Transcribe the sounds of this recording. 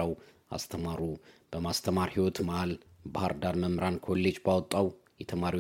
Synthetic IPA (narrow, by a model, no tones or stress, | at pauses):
əw | a̰st̪ʰəmaɾub̥əmast̪ʰəmaɾhiwɔt̪maalbahaɾd̪aɾməmɾankʰo̞lːe̞d͡ʒbawɔt̪ʼːaw | jɛt̪ʰəmaɾiw